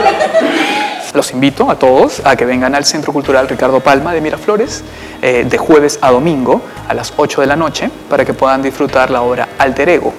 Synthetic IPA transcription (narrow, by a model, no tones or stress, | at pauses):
lo̞simbit̪o̞at̪o̞ðosake̞β̞e̞ŋɡanalse̞nt̪ɾo̞kult̪uɾalrikaɾðo̞palmað̞e̞miɾʔaflo̞ɾes | d̪e̞xwe̞βe̞sað̞o̞mĩŋɡo̞ | alaso̞t͡ʃo̞ð̞e̞lano̞t͡ʃe̞paɾake̞pwe̞ðand̪isfɾut̪aɾlao̞βɾa̰alt̪e̞ɾe̞ɣo̰